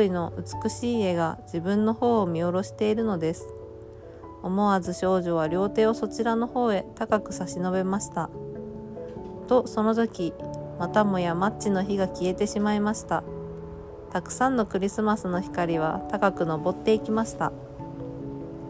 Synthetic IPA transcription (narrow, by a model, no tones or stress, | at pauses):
ino̞ʔɯ̟t͡sɨ̥kɯ̟ɕiːe̞ɡad͡ʑibɯ̟̃nːo̞ho̞ːmʲio̞ɾo̞ɕi̥t̪e̞iɾɯ̟no̞d̪e̞sɨ̥ | o̞mo̞azɨɕo̞ːʑo̞β̞aɾʲo̞ːt̪e̞ːo̞so̞t͡ɕiɾano̞ho̞ːe̞t̪akakɯ̟saɕino̞be̞maɕi̥t̪a | t̪o̞so̞no̞t̪o̞kʲimat̪amo̞jamat͡ɕːino̞çiɡakʲie̞t̪e̞ɕimaimaɕi̥t̪a | t̪akɯ̟̥sãnːo̞kɯ̟ɾʲisɨmasɨno̞çi̥kaɾʲiβ̞at̪akakɯ̟no̞bo̞t̪ːe̞ikʲimaɕi̥t̪a̰